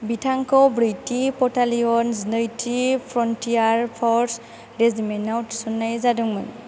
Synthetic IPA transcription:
bitʰaŋkɔbɾitipɔtaliɔnznɔjtʰipʰɾɔntijaɹpʰɔɹs | ɾezimenawtsɔnːajzadɔŋman

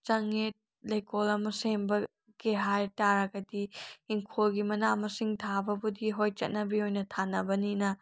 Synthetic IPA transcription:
t͡ʃɐŋet̚ | lɐjkolɐmɐsembɐ | keɦajtaɾɐɡɐdiiŋkʰolɡimɐnamɐsiŋtʰabɐbudiɦojt͡ʃɐ̰t̚nɐbiojnɐtʰanɐbɐninɐ

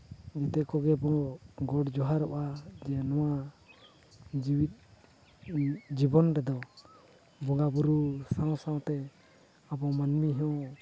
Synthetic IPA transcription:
d͡ʒɛt̪ɛkɔɡɛbɔ̃ɡɔʈd͡ʒɔɦaɾɔʔad͡ʒɛnɔwa | d͡ʒiwit̪̚ | d͡ʒibɔnɾɛd̪ɔ | bɔŋɡabuɾusãw̃sãw̃t̪ɛ | abɔmanmiɦɛɔ̃

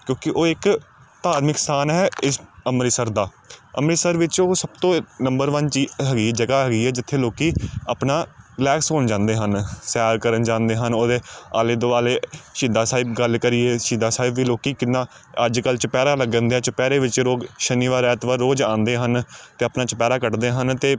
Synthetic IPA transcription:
kjõːkɪʔoːɪk | t̪aːɾmɪkst̪ʰaːnɦɛːɪsəmɾɪsəɾd̪aː | ə̰mɾisəɾʋɪt͡ʃoːsəbt̪õːnəmbəɾʋənt͡ʃiːɦəɡiːd͡ʒəɡaːɦəɡiːɦɛːd͡ʒɪt̪ʰːeːloːkiːəpnaːlɛːksɦoːnd͡ʒãːnd̪eːɦənsaːɾkəɾənd͡ʒãːnd̪eːɦənoːd̪eːaːleːd̪oːaːleːʃiːd̪aːsaːɪbɡəlkəɾiːeːʃiːd̪aːsaːɪbʋiːloːkiːkɪnːãː | əd͡ʒkəlt͡ʃəpɛːɾaːləɡə̃ːnd̪eɛːt͡ʃəpɛːɾeːʋɪt͡ʃɾoːɡʃəniːʋaːɾɛːt̪ʋəɾːoːd͡ʒãːnd̪eːɦənt̪eːəpnaːt͡ʃəpɛːɾaːkəʈd̪eːɦənt̪eː

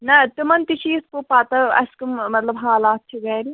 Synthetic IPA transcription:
nɐt̪umɐnt̪it͡ʃʰispupat̪ɐɐ̰skummɐt̪lɐbɦaːlaːt̪t͡ʃːʰiɡɐːɾi

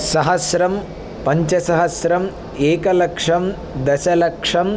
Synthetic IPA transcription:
sɐɦɐsɾɐm | pɐɲt͡ʃɐsɐɦɐsɾɐm | eːkɐlɐkʂɐm | d̪ɐsɐlɐkʂɐm

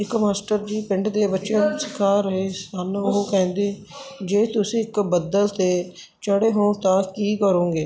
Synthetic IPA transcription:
ɪkmaːsʈəɾd͡ʒiːpɪɳɖd̪eːbəːʃənsɪ̥kʰaːɾəɦeːsənʊɦokɛ̃ːnd̪eː | d͡ʒeːt̪ʊsĩːɪkbəd̪əlt̪eː | t͡ʃəɽeːɦõːt̪ãːkiːkəɾõːɡeː

